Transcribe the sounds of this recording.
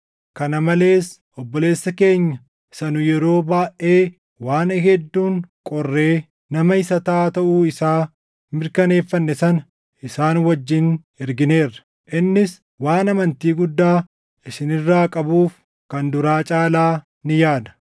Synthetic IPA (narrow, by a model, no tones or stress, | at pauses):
kɐnɐmɐle̞ːs | ʔɔbːɔle̞ːsːɐke̞ːɲːɐ | sɐnʊjɛɾo̞ːbaːʔe̞ː | waːnhɛd̪ːuːŋkʼɔrːe̞ː | nɐmɐɪsɐt̪aːt̪ɐʔuːɪsaː | mɪɾkɐne̞ːfːɐnːɛsɐnɐ | ʔɪsaːnwɐd͡ʒːɪn | ɛɾɡɪneːrːɐ̥ | ʔɪnːɪs | waːnɐmɐnt̪iːɡʊd̪ːaː | ʔɪsɪnɪrːaːkʼɐbuːf | kɐnd̪ʊɾaːt͡ʃʼaːlaː | nɪjaːd̪ɐ̥